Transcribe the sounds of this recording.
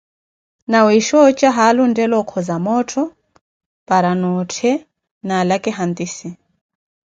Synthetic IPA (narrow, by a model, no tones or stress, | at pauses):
nawiʃɔt͡ʃʼaɦalundɛlɔkʰɔzamɔtʰɔ | paɾanɔtʰɛ | nalakɛɦant̪ʼisi